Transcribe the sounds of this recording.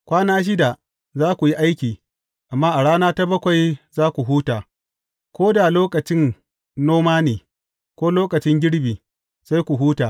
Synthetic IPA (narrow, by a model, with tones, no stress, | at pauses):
kʷaː˦naː˦ʃ̬ɪ˦da˨ | zaː˦kʷu˨ji˦ʔa˦jkʲiː˨ | ʔa˨mːaː˦ʔa˨ɽaː˦naː˦ta˦bɐ˦kʷa˨jzaː˦kʷu˨ɦuː˦taː˨ | kʷoː˦da˨loː˦kɐ˨t͡ʃɪ˦n | noː˦maː˦neː˨ | kʷoː˦loː˦kɐ˨t͡ʃɪ˦ŋɡʲɪ˦ɽbiː˨ | sa˦jkʷu˨ɦuː˦taː˨